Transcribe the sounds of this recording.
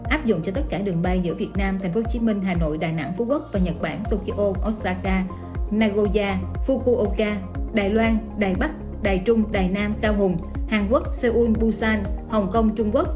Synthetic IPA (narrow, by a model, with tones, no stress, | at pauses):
ʔaː˦˥p̚zʊ̰˧˨ŋ͡mt͡ɕɔ˧t̪ə˦˥t̚kaː˧˩ɗɨ˨˩əŋɓa˧jzɨ̰˧˥vi˨˩ət̚naː˧mt̪ʰa˨˩ŋ̟fo˨˦t͡ɕi˨˦mï˧ŋ̟ɦaː˨˩no̰˧˨jɗaː˨˩jna̰˧˥ŋfu˨˧˦ku˦˥k̚vaː˨˩ɲə˨˩t̚ɓa̰ː˧˩nt̪o˧ki˧ʔo˧ʔo˦˥t̚kaː˧kaː˧ | naː˧ɣo˧zaː˧fu˧ku˧ʔo˧kaː˧ɗaː˨˩jlwaː˧nɗaː˨˩jɓa˦˥k̚ | ɗaː˨˩jt͡ɕʊ˧ŋ͡mɗaː˨˩jnaː˧mkaː˧wɦʊ˨˩ŋ͡mhaː˨˩nku˦˥ək̚se˧ʔu˧nɓu˧saː˧nhə˨˩wŋ͡mkə˧wŋ͡mt͡ɕʊ˧ŋ͡mku˦˥k̚